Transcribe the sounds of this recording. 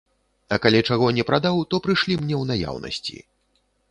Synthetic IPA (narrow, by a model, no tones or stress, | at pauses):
ɐkalʲɛt͡ʂaɣɔnʲɛpɾad̪awt̪ɔpɾɨʂlʲimnʲɛwnaja̰wnɐ̰sʲt͡sʲḭ